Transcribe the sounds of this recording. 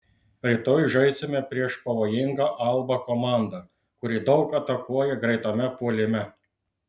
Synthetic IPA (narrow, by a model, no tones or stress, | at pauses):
ɾʲɪt̪oːjʒɐɪsʲemʲɛpʲɾʲiɛʃpɐʋoːjɪŋɡɐʔɐlˠbɐkɔmɑˑnd̪ɐ | kʊɾʲiːd̪ɒʊkɐt̪ɐkuɔjɛɡɾɐɪt̪oːmʲɛpuɔlʲɪmʲɛ